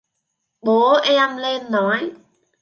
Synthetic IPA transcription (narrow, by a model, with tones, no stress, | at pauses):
ɓo˨˦ʔɛ˧a˧mle˧nːɔ˨˩˦j